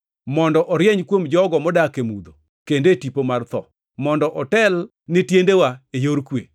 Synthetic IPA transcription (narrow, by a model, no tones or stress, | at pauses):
mɔndɔʔɔɾjeɲkwomd͡ʒɔɡɔmɔdakemud̪o | kendetipomart̪ɔ̰ | mɔndɔʔɔtɛl | nɪtjendewaejoɾkwe